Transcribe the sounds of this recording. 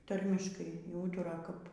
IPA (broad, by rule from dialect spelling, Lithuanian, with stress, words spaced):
ˈtɐrʲmʲɪʃkɐɪ iː ˈuːtʊrɐ kɐp